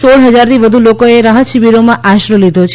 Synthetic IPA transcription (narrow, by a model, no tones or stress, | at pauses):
soɭɦəd͡ʒaɾt̪ʰiʋəd̪ʱulokoeɾaɦət̪ʃiʋiɾomãʔaʃɾəlid̪ʱot͡ʃʰ